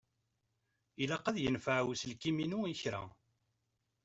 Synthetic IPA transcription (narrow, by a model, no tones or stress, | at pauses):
ilæqæðjənfəʕwslkiminuiçɾæ̰